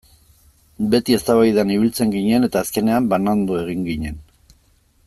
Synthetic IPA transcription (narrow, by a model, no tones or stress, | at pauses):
be̞t̪ie̞st̪aβajðaniβilt͡se̞ŋɡiɲe̞ne̞t̪aːske̞ne̞ambanand̪ue̞ɣ̞iŋɡiɲe̞n